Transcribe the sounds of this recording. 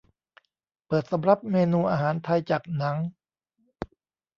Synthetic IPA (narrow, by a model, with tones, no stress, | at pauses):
pɤː˨˩t̪̚sa˩˦mɾa˨˩p̚meː˧nuː˧ʔaː˧ɦaː˩˦nt̪ʰa˧jt͡ɕaː˨˩k̚na˩˦ŋ